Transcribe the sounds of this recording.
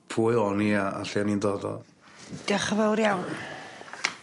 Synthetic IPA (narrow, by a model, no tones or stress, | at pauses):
pʰuːɨɔniaa̰ɬianindɔdɔ̰ | d̥əχəvəwɾjawn